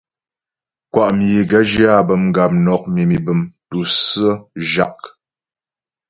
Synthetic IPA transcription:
kwa˦˨ʔm˨je˨ɡə˦d͡ʒi˦a˦˨bə˨mŋ˨ɡa˨p̚nɔ˨k̚mi˨mi˨bə˨mtu˨sə˦ʒa˨k̚

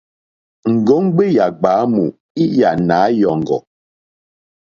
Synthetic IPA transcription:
ŋ̩˨ɡɔ˨˦ŋ˦ɡ͡be˦ja˨ɡ͡baː˨˦mu˨ | i˦ja˨na˨˦jɔ˨ŋ˨ɡɔ̰˨

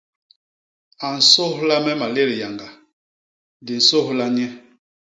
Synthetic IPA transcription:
a˨n̩˨so˦hla˦mɛ˦ma˨le˦ɾi˨ja˨ŋɡa˨ | di˨n̩˨so˦hla˦ɲɛ˦

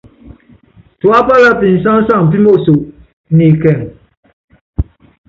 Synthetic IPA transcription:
tu˨a˦pa˦la˦pi˨n̩˨sa˦ŋ˦sa˦˨ŋ̩˨p̬i˦mo˦˨so˨ʔ | ni˨kɛ˦˨ŋ

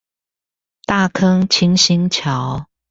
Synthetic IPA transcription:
t̪a˥˩kʰɤ˥ŋt͡ɕʰi˧˥ŋɕi˧˥ŋt͡ɕʰjɑ˨˦ʊ

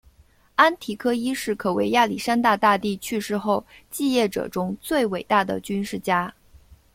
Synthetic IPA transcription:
a˥nt̪ʰi˨˥kʰɤ˥i˥ʂɻ̩˥˩kʰɤ˨˩we˧ɪja˥˩li˨˩ʂa˥nt̪a˥˧t̪a˥˧t̪i˥˧t͡ɕʰy˥˧ʂɻ̩˥˧xo˥˧ʊt͡ɕi˥˧jɛ˥˩ʈ͡ʂɤ̰˨˩ʈ͡ʂʊ˥ŋt͡swe˥˩ɪwe˨˩ɪt̪a˥˩d̪ə̰˩t͡ɕy˥nʂɻ̩˥˩t͡ɕja˥

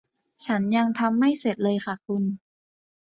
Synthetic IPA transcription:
t͡ɕʰa˦˥nja˧ŋt̪ʰa˧mːa˥˩jse˨˩t̪̚lɤː˧jxʰa˥˩kʰu˧n

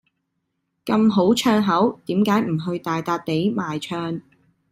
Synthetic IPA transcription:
kɐ˧mɦo˨˥wt͡ʃʰœː˧ŋɦɐ˨˥wt̪iː˨˥mkaː˨˥jm̩˨˩ɦɵ˧ɥt̪aː˨jt̪aː˧t̚t̪e˨˥jmaː˨jt͡ʃʰœː˧ŋ

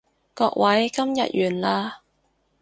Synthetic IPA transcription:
kɔː˧k̚wʔɐ˨˥jkɐ˥mjɐ̰˨t̚jyː˨˩nlaː˧

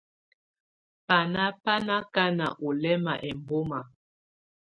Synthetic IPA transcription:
pa˨na˦pa˦na˦ka˦na̰˨ʔo˨lɛ˦ma̰˨ʔɛ˨mbo˦ma˨

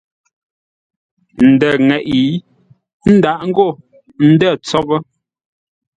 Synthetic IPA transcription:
n̩˨dɛ˨ŋɛ˨ʔi˨˦ | n̩˦da˨ʔŋ̩˦ɡo˦˨ | n̩˦də˦˨t͡sɔ˦bə˦

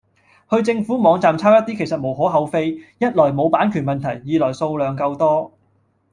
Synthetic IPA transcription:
hɵ˧ɥt͡sɪ˧ŋfuː˨˥mɔː˨˧ŋt͡saː˨mt͡sʰaː˥wjɐ˥t̚t̪iː˥kʰjsɐ˨t̚mo˨˩wɦɔː˨˥ɦɐ˨˧wfe˧jjɐ˥t̚lɔː˨˩jmo˨˧wpaː˨˥nkʰyː˨˩nmɐ˨nt̪ʰɐ˨˩jːiː˨˧lɔː˨˩jso˧wlœː˨˧ŋkɐ˧wt̪ɔː˥

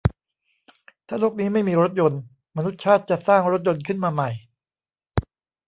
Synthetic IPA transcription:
t̪ʰaː˥˩loː˥˩k̚niː˦˥ma˥˩jmiː˧ɾo˦˥t̪̚jo˧n | ma˧nu˦˥t̪̚t͡ɕʰaː˥˩t̪̚t͡ɕa˨˩saː˥˩ŋɾo˦˥t̪̚jo˧nkʰɯ˥˩nmaː˧ma˨˩j

